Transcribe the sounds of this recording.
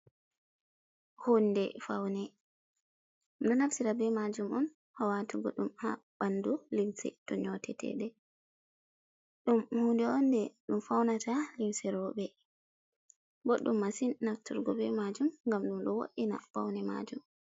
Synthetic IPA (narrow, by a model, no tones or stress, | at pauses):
hondɛfawnɛ | mɗɔnaftiɾabɛmad͡ʒumɔn | hawatuɡɔɗumhabandulimsɛ̰tɔɲɔtɛ̰tʰɛ̰ɗɛ | ɗumhundɛɔndɛɗumfawnatʰalimsɛɾɔbɛ | bɔɗumːasinnaftṵɾɡɔbɛmad͡ʒumŋɡamɗumɗɔwo̰ʔina̰fawnɛma̰d͡ʒum